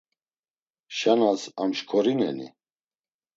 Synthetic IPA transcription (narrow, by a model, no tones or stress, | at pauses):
ʃanasamʃkʰɔɾinɛ̰nḭ